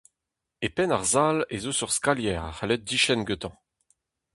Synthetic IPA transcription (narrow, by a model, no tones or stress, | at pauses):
epɛnaʁzalezosyʁskaljɛːʁa̰χalɛt̪̚d̪iʃɛnɡøt̪ɑ̃